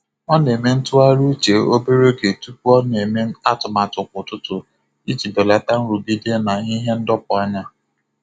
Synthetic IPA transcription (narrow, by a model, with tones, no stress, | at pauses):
ɔ˦ne˨me˦n̩˦tʊ˦a˦ɾu˦t͡ʃe˨o˦be˦ɾo˦ɡe˨tu˦p̚u˦ɔ˦ne˨me˦a˦tʊ˨ma˨tʊ˨kʷʊ˨tʊ˦tʊ˨ | i˦t͡ʃi˨be˨la˨ta˦n̩˦ɾu˨ɡi˦de˦na˨˦i˦ɦe˦n̩˦dɔ˦pɔ˦ɲa˦